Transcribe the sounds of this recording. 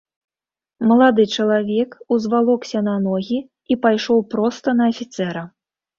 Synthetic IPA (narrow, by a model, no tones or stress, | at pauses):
mɐlˠad̪ɨt͡ʂɐlˠavʲɛkuzvalˠɔksʲɐnanɔɣʲi | ipajʂɔwpɾɔst̪ɐnɐːfʲit̪sɛɾɐ